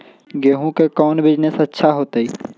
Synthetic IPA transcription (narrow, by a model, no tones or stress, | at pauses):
ɡeːɦũkekɔːnbɪd͡ʒnesɐtːʃʰaɦoːt̪ai